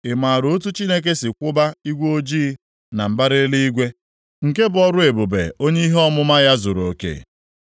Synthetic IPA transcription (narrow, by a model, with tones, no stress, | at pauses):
ɪ˨ma˨ɾoo˦t̬u˦t͡ʃi˦ne˦k̬e˦sɪ˨kʷʊ˦ba˦i˦ɡʷo˦d͡ʒiː˦ | na˨m̩˨ba˦ɾe˦li˦i˦ɡʷe˦ | ŋ̩˨ke˦bʊ˨ɔ˦ɾʊ˦e˨bo˨bḛ˨o˦ɲe˦i˦ɦe˦ɔ˦mʊ˦ma˦ja˦zo˨ɾo˨kḛ˨